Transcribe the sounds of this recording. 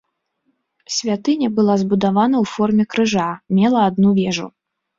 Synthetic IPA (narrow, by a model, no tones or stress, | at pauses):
sʲvʲat̪ɨnʲɐbɨlˠazbud̪avanɐwfɔrmʲɛkɾɨʐamʲɛlˠɐad̪nuvʲɛʐṵ